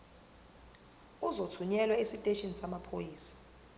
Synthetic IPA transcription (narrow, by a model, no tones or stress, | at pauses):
uzotʰuɲɛlwaisitʼeʃinsamapʰojiːsḁ